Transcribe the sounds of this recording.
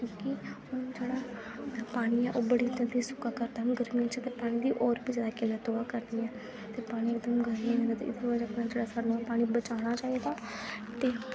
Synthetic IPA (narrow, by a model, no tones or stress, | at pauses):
kjõːkɪhʊnd͡ʒeːɽaː | paːɽ̃iːɛːʔoːbəɽiːd̪ə̃nd̪isʊ̥kaːkəɾd̪aːɦɡəɾmiːãt͡ʃət̪eːpaːɽ̃ĩːd̪iːʔɔːɾbiːd͡ʒaːd̪aːkeleːt̪oːaːkəɾd̪iːɛ̃ː | t̪eːpaːɽ̃iːɪkd̪əmɡəɾãɛ̃nd̪aːt̪ḛɪd̪eːʋəd͡ʒəpnaːd͡ʒeːɽaːsaːnũːɛːpaːɽ̃ibət͡ʃaːɽ̃aːt͡ʃaːiːd̪aːt̪eː